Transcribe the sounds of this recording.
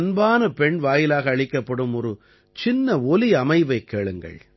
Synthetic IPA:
nbaːnɐpɛɳʋaːjɪlaːɣɐːɭɪkːɐpːɐɽɯmɔɾɯ | t͡ʃɪnːɐɔliɐmɐɪʋɐɪkːeːɭɯŋɡɐ̰ɭ

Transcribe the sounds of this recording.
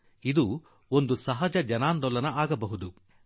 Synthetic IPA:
id̪u | ond̪usɐɦɐd͡ʒɐd͡ʒɐnaːnd̪ɔlɐnɐaːɡɐbɐɦud̪u

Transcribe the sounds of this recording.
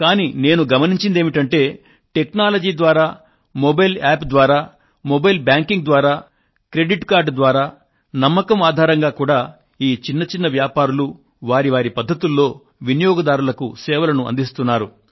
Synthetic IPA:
kaːniːne̞ːnuɡɐmɐniɲt͡ʃind̪e̞ːmiʈɐɳʈe̞ː | ʈe̞knaːlɐd͡ʒiːd̪ʋaːɾaː | mobɐjlaːpd̪ʋaːɾaː | mobɐjlbjaːŋkiŋɡd̪ʋaːɾaː | kɾe̞ɖiʈkaːɾɖd̪ʋaːɾaː | nɐmːɐkɐmaːd̪ʱaːɾɐŋɡaːkuːɽaː | iːt͡ʃinːɐt͡ʃinːɐʋjaːpaːɾulu | ʋaːɾiʋaːɾipɐd̪ʱːɐt̪ulːo̞ː | ʋinijoːɡɐd̪aːɾulɐkṵsɛːʋɐlɐnuɐ̰nd̪ist̪unːaːɾu

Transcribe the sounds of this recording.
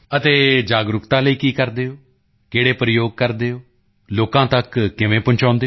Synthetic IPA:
ət̪eːd͡ʒaːɡɾʊkt̪ãːləiːkiːkəɾd̪eːoː | keːɽeːpɾəjoːɡ̚kəɾd̪eːoː | loːkãːt̪əkːɪʋẽːpʊ̃ɲt͡ʃãːnd̪eː

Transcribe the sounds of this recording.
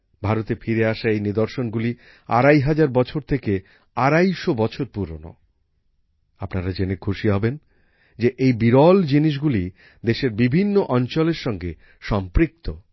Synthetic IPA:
bʱaɾot̪efʰiɾeaʃaejnid̪oɾʃonɡuli | a̰ɾajɦad͡ʑaɾbɔt͡ɕʰoɾt̪ʰeke | aɾajʃobɔt͡ɕʰoɾpuɾo̰no̰ | apnaɾad͡ʑenekʰuʃiɦɔben | d͡ʑeʔejbiɾɔld͡ʑiniʃ̬ɡuli | d̪eʃeɾbibʱinːoʔɔnt͡ɕoleɾʃɔŋɡe | ʃɔmpɾik̚t̪o

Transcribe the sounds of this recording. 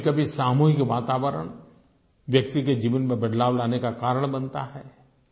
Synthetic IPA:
kɐbʱisaːmuːɦɪkʋaːt̪aːʋəɾə̰ɽ̃ | ʋjɐk̚t̪iked͡ʒiːʋənmẽbɐd̪ʱlaːʋlaːnekakaːɾəɽ̃bɐnt̪a̰ɦɛː

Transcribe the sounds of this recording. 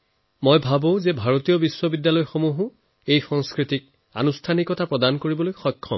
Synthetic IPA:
mojbʱabõʊ̃zɛbʱaɹotijɔbiswɔbidːjalɔjxomuɦʊ̃ | ejxɔŋskɹitik̚ | a̰nustʰanikɔtʰapɹɔdankoɹibɔlojxɔjkʰːɔ̰m

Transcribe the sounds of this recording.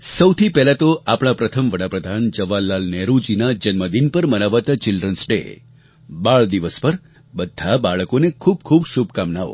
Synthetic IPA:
səwt̪ʰipɛɦlat̪oʔapɽ̃apɾət̪ʰəmʋəɽapɾəd̪ʱand͡ʒəʋalːalnɛɾud͡ʒinad͡ʒənməd̪inpəɾmənaʋat̪at͡ʃɪlɖɾənsʈḛ | baɭd̪iʋəspəɾ | bəd̪ʱːabaɭəkonekʰub̚kʰubsub̚ʱkamnaʋo̰

